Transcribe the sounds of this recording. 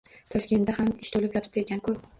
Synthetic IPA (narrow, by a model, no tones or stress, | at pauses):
t̪ʰɒʃkʲe̞nt̪d̪ahamɪʃt̪ʰolɪpjɒt̪ʰɪ̥p̚d̪eɡʲankʰɵ